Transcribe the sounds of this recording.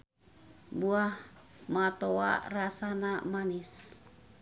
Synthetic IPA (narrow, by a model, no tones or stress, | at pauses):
buahmat̪oa̰rasanamanis